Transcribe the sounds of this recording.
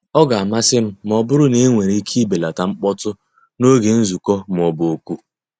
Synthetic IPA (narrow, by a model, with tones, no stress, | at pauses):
ɔ˦ɡa˨a˨ma˦sɪ˦m̩˦m˦ɔ˨bʊ˦ɾʊ˦ne˦ŋʷe˨ɾi˦i˦kʰi˦be˨la˨ta˨ŋ͡m̩˦k͡pɔ˦tʊ˦ | no˦ɡe˨n̩˦zu˨kɔ˦m̩˨ɔ˨bo˨kʷu˦